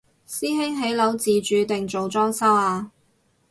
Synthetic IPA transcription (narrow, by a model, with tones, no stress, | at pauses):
siː˥ɦɪ˥ŋɦe˨˥jlɐ˨˥wt͡siː˨t͡ʃyː˨˧t̪ɪ˨ŋt͡ʃo˨wt͡sɔː˥ŋsɐ˥waː˧